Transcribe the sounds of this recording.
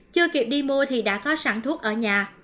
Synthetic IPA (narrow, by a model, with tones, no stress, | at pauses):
t͡ɕɨ˧əki˨˩əp̚ɗi˧mu˧ət̪ʰi˨˩ɗa̰ː˧˥kɔ˨˦saː˧˩ŋt̪ʰu˦˥ək̚ʔəː˧˩ɲaː˨˩